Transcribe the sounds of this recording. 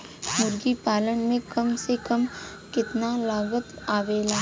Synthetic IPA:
mʊɾɡipaːlənmẽkɐmsekəm | kɪt̪nalaːɡət̪aːʋeːlaː

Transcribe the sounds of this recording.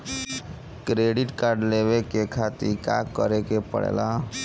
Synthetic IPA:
kɾeɖiʈkaɾɖlebekekʰat̪ḭɾka̰kəɾekepə̰ɽḛla

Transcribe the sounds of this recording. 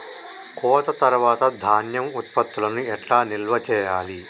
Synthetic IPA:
kɔːt̪ɐt̪ɐɾuʋaːt̪ɐd̪ʱaːnjɐmut̪pɐt̪ːulɐnuɛʈlaːnilʋɐt͡ʃɛːjaːli

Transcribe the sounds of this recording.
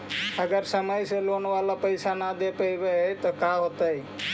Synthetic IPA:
əɡəɾsəməjselonʋalapəjsanad̪epəjbet̪ɔkaɦot̪əj

